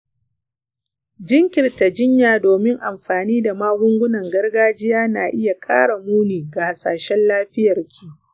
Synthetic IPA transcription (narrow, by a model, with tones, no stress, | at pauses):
d͡ʒɪ˦ŋkʲɪ˨rta˨d͡ʒɪ˦ɲjaː˨doː˨mɪ˦ŋʔa˨mɸaː˨niː˦da˨maː˦ɡʷʊ˦ŋɡʷʊ˦nɐ˨ŋɡɐ˦rɡaː˦d͡ʒɪ˦jaː˦naː˨ʔɪ˦ja˨kʼa̰ː˦ɽa˨muː˦niː˨ɡa˨ha˨sa̰ː˨ʃɛ˦nlaː˦ɸɪ˦jɐ˨rkʲʰiː˨